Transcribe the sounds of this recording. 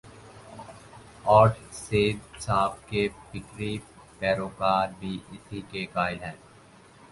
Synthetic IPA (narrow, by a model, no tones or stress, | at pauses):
ɔːʈseːd̪saːp̚kepɪkɾi | pɛːɾoːkaːɾbʱiʔɪt̪ʰikekaːɪlɦɛ̃ː